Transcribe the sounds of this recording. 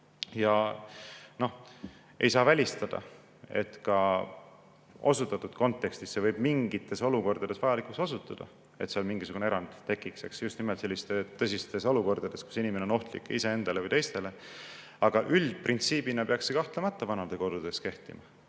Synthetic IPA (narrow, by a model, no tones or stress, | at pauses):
jɑ | no̞h | ejsɑːvælʲist̪ɑd̪̥ɑ̰ | ḛt̪kɑ | o̞sut̪ːˑɑt̪ːˑud̪̥ko̞nt̪ːˑe̞kst̪isːevɤjb̥miŋɡ̥it̪ːˑe̞so̞luko̞rd̪̥ɑd̪̥e̞svɑjɑlikusosut̪ːˑɑd̪̥ɑ̰ | e̞t̪seolmiŋɡisuɡ̥uneeɾɑnd̪̥t̪e̞kːˑikse̞ksjust̪nimelt̪se̞lːist̪et̪ːɤs̬ʲist̪e̞soluko̞rd̪̥ɑd̪̥e̞sku̥sinimeneono̞ht̪lḭkːˑise̞end̪̥ɑle̞vɯjt̪e̞jst̪e̞le̞ | ɑɡ̥ɑʔyld̪̥̚print̪siːb̥inɑpe̞ɑksːekɑht̪lemɑt̪ːˑɑvɑnɑd̪̥e̞ko̞d̪̥ud̪̥e̞ske̞ht̪ḭmɑ